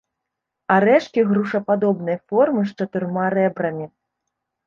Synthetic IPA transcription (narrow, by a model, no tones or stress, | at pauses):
aɾɛʂkʲiɣɾuʂɐpad̪ɔbnɐjfɔrmɨʂt͡ʂɐt̪ɨrmaɾɛbɾɐmʲi